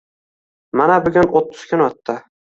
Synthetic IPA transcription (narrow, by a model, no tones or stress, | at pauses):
manabʊɡʲʊnot̪ːʊ̥skʲɪnɒt̪ːɪ